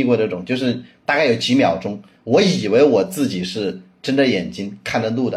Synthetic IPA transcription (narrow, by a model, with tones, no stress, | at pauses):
kwɔ˥˧ʈ͡ʂɤ˥˩ʈ͡ʂʊ˨˩˦ŋt͡ɕjo˥˧ʂ̬ɻ̩˥˩t̪a˥˧ka˥˩ɪjo˨˩ʊt͡ɕi˧˥mjɑ˨˩ʊʈ͡ʂʊ˥ŋ | wɔ˧˥i˨˩we˧˥ɪwɔ˨˩t͡sɹ̩˥˩t͡ɕi˨˩ʂɻ̩˥˩ | ʈ͡ʂə˥nʈ͡ʂə˥˧jɛ˨˩nt͡ɕi˥ŋkʰa˥˩nd̪ə˧lu˥˩d̪ə˩